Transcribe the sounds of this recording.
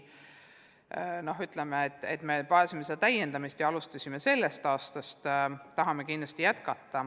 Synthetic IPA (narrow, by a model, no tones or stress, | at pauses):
no̞ɦyt̪lemeet̪ːˑḛt̪ːˑme̞pɑesimesed̪̥ɑt̪æjːend̪ɑmist̪jɑɑlust̪ɑsʲimese̞lːest̪ɑːst̪ɑst̪ːɑɦɑme̞kind̪lɑst̪ijæt̪kɑt̪ːɑ